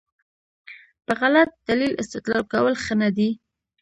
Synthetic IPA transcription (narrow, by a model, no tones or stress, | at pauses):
pəɣalat̪̚d̪̥alilɪ̰st̪ɪt̪lɑlkawəlxənad̪i